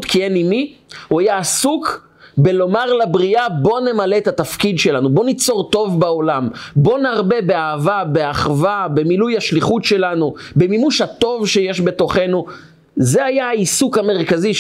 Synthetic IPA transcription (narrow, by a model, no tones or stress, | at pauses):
tkienimi | uajaːsuk | belo̞maʁlabʁiabo̞ne̞male̞ːt̪at̪afkidʃelanubo̞nit͡so̞ʁt̪o̞vbao̞lambo̞naʁbe̞beaːvabe̞aχvabe̞milujaʃliχutʃe̞lanu | bemimuʃhato̞vʃejeʃbe̞t̪o̞χe̞nu | ze̞ajaaisukame̞ʁkazi